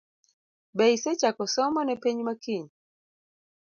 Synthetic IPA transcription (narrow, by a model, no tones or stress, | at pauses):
bɛisɛt͡ʃakɔsɔmɔnɛpɛɲimakiɲi